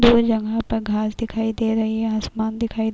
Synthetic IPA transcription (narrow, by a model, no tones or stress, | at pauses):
d̪oːɾd͡ʒɐ̃ŋɡãpɐɾɡʱaːsd̪ɪkʰaːid̪eːɾɐɦiɦɛ̃asmaːnd̪ɪkʰaːid̪